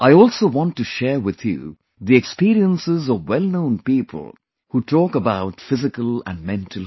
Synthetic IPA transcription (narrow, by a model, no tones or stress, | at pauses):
aɪɔːlsoːwɑ̃nʈːuʃɛːɹwɪð̥jṵ | d̪iɛkspiːɾiə̃nsɪzɔʋwɛlˠnõʊ̃npiːpʰə̰lˠ | huʈʰɔːkəbaʊʈfɪzɪkəlˠæ̰̃nmɛ̃ntʰəl